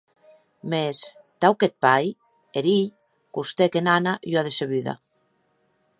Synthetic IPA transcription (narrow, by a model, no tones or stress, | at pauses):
mes | t̪awket̪̚paj | eɾiʎ | kust̪ekenanajoaðeseβyða̰